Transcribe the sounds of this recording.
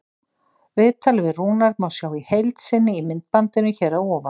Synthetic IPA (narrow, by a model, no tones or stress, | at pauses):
vɪðt̪ʰalvɪruːnaɾmaːwsjaːwihejlt̪sɪnːɪimɪnt̪̚pant̪ɪnʏçɛːɾawɔːva